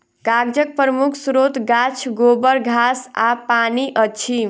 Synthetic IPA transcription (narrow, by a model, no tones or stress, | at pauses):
kaɡd͡ʒək̚pəɾəmukʰsɾot̪ɡat͡ʃʰɡobəɾɡʱasapaniʔʌt͡ʃʰi